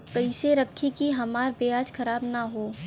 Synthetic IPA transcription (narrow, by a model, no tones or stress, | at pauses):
kɐɪseɾɐkʰːikiɦɐmaːɾbeaːd͡ʒkʰɐɾaːbnaɦoː